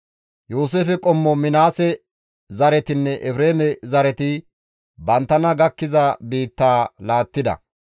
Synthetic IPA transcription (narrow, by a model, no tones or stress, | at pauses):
juːs̬eːfɛkʼɔmːɔmɪnaːsɛ | zɐɾɛt̪ɪnːɛʔɛfɾeːmɛzɐɾɛt̪ɪ | bɐnt̪ːɐnɐɡɐkːɪzɐbiːt̪ːaːlaːt̪ːɪd̪ɐ̰